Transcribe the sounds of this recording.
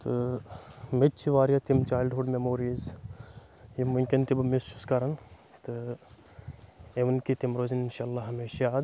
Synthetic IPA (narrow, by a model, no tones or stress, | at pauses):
t̪ɨ | met͡ʃʰiʋaːɾjat̪imt͡ʃaːjlɖɦoːɖmemoːɾiz | jimʊŋkʲint̪ibmesuskɐɾɐn | t̪ɨ | eʋɐnkit̪imɾoːzinɪnʃaːlːaːɦɐmeːʃaaːd̪